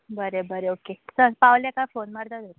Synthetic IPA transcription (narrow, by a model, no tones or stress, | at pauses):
bəɾebəɾeokesəɾpawljakafonmaɾt̪at̪oe